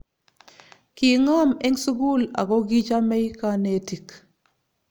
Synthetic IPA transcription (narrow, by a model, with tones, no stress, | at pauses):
ki˨ŋa˦me˦ŋsu˦ɡu˦la̰˨kɔ˦ɡi˦t͡ʃa˦mɛ˦jka˦ne˦ti˨k